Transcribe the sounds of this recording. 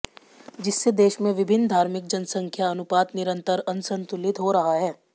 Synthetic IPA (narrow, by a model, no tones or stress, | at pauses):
d͡ʒɪsːed̪eːʃmẽʋɪbʱɪnːd̪ʱaːɾmɪk̚d͡ʒɐnsə̃ŋkʰjaɐnʊpaːt̪nɪɾə̃nt̪əɾɐnsə̃nt̪ʊlɪt̪ɦoɾɐɦaɦɛː